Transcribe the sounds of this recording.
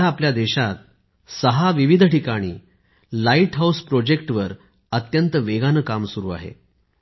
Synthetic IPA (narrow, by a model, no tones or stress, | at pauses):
aːpljad̪eɕat̪̚ | səɦaʋiʋid̪ʱʈikaɽ̃iː | laiʈɦauspɾod͡ʑek̚ʈʋəɾ | ət̪jənt̪əʋeɡanəkamsuɾuːa̰ɦḛ